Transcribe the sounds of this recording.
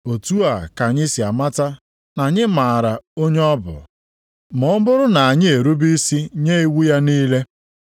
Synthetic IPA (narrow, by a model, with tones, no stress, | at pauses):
o˨tu˦a˨ka˨ɲɪ˦si˨a˨ma˦ta˦ | na˨ɲɪ˦ma˨ɾa˨o˦ɲe˦ɔ˦bʊ̰˨ | mɔ˨˦bʊ˦ɾʊ˦na˨a˨ɲɪ˦e˨ɾu˦bi˦si˦ɲe˦i˦wu˦ja˦niː˦le˦